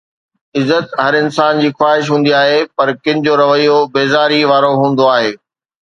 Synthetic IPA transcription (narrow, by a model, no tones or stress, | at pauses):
ɪzət̪ɦɐɾɪnsaːnd͡ʑiːxwaːɦɪʃ̬ɦũːnd̪iaːɦepɐɾkɪ̃nɪ̆d͡ʑoɾɐʋəijobeːzaːɾiʋaːɾoɦũːn̆d̪oaːɦeː